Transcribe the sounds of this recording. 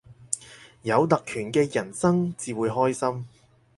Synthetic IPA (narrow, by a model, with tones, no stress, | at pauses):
jɐ˨˧wt̪ɐ˨k̚kʰyː˨˩nkɛː˧jɐ˨˩nsɐ˥ŋt͡siː˨wuː˨˧jɦɔː˥jsɐ˥m